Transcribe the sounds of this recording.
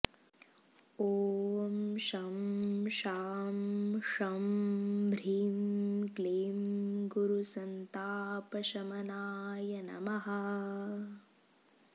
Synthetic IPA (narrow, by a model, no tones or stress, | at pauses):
oːmʃɐmʃaːmʂɐmbʱɾiːmkleːmɡuɾusɐnt̪aːpɐʃɐmɐnaːjɐnɐ̰mɐɦɐ